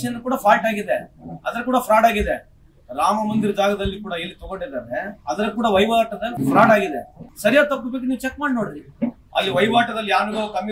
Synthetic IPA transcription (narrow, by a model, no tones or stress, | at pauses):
ʃɐnɐkuːɽɐpʰaːlʈaːɡid̪eɐd̪ɐɾɐkuːɽɐpɾaːɽaːɡid̪e | ɾaːmɐmɐnd̪iɾɐd͡ʒaːɡɐd̪ɐlːikuːɽɐelːit̪ɔɡoɳɖid̪aːɾeɐd̪ɐɾkuːɽɐʋɐjʋaːʈɐd̪ɐpʰɾaːʈaːɡid̪esɐɾijaːd̪̚t̪ɐpːɐbeːk̬uniːʋut͡ʃɛkmaːɽinoːɽɾi | ɐ̰lːiʋɐjʋaːʈɐd̪ɐlːijaːnuɡokɐm